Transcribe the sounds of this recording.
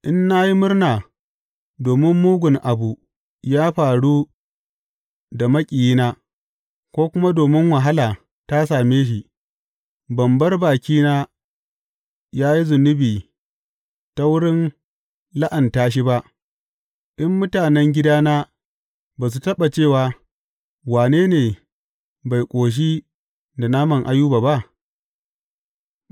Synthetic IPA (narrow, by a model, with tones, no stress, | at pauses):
ʔɪ˦nːa˦ji˦mʊ˦rnaː˨ | doː˨mɪ˦mːuː˦ɡʷʊ˨ŋʔa˨bu˨ | jaː˦ɸaː˨ɽu˦ | da˨mɐ˦kʲʼiː˨jiː˦naː˦ | kʷoː˦kʷʊ˦ma˦doː˨mɪ˦ŋwɐ˨ɦa˦laː˨ | ta˦s̬aː˨meː˦ʃ̬i˨ʔ | bɐ˨mbɐ˦rbaː˨kʲiː˦naː˦ | jaː˦ji˦zʊ˨nʊ˦biː˨ | ta˦wʊ˦ɽɪ˦n | la˦ʔa˨ntaː˦ʃ̬i˦ba˦ʔ | ʔɪ˦mːʊ˦taː˨nɛ˦ŋɡʲɪ˦daː˦naː˦ | baː˨s̬u˨tɐ˦ɓa˨t͡ʃeː˦˨waː˨ | waː˨neː˦neː˨ | ba˨jkʷʼoː˨ʃ̬iː˦ | da˨na˦mɐ˦˨ŋʔa˦juː˦baː˨ba˦ʔ